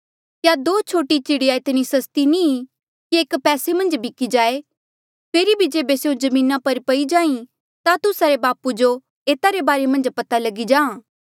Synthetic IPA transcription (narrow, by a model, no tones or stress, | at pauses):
kjad̪oːt͡ʃʰoːʈit͡ʃɪɽijaɪt̪nisɐst̪ini | kieːkpɛːsemɐ̃nd͡ʒbʱɪkid͡ʒaːe | pʰeːɾibʱid͡ʒeːbeseːõd͡ʒɐmĩːnapɐɾpɐid͡ʒãːĩ | t̪at̪ʊsaɾebaːpud͡ʒo | eːt̪aɾebaːɾemɐ̃nd͡ʒpɐt̪alɐɡid͡ʒãːã